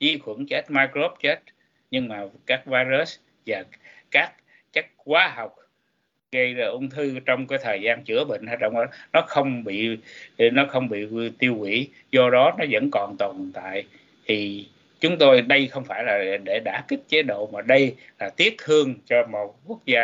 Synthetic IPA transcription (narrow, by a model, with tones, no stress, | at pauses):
zi˧xwə˧˩nt͡ɕe˦˥t̚maː˧jkɾo˦˥p̚t͡ɕe˦˥t̚ | ɲɨ˧ŋmaː˨˩kaː˦˥k̚vaː˧jzə˦˥s | vaː˨˩kaː˦˥k̚ | t͡ɕə˦˥k̚kwaː˨˦ɦa˨˩wk͡p̚ | ɣə˧jzaː˧˩ʔʊ˧wŋ͡mt̪ʰɨ˧t͡ɕɔ˧wŋ͡mkaː˨˦jt̪ʰəː˨˩jzaː˧nt͡ɕɨ̰˧˥˩əɓḭ˧˨ŋ̟haː˨˩k̚ɗɔ̰ə̰˧˨wŋ͡mɗɔ˨˦nɔ˨˦xə˧wŋ͡mɓḭ˧˨nɔ˨˦xə˧wŋ͡mɓḭ˧˨t̪i˧əwwḭ˧˥ | zɔ˧ɗɔ˨˦nɔ˨˦zə̰˧˥nkɔ˨˩nt̪wɔ˨˩nt̪a̰ː˧˨j | t̪ʰi˨˩ | t͡ɕʊ˨˦ŋ͡mt̪o˧jɗə˧jxə˧wŋ͡mfaː˧˩jlaː˨˩ɗe˧˩ɗaː˧˩kï˦˥k̟̚t͡ɕe˨˦ɗo̰˧˨maː˨˩ɗə˧j | laː˨˩t̪i˦˥ət̚t̪ʰɨ˧əŋt͡ɕɔ˧mo˨˩t̚ku˦˥ək̚zaː˧